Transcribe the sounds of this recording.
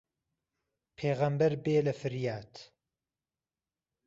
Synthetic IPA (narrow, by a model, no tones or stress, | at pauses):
pʰeːɣɐmbɐɾbeːlɐfɨɾjaːt̪